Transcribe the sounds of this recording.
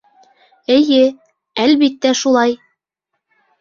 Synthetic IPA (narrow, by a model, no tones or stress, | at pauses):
ɘ̆jɘ | ælβit̪ːæʃulˠɑj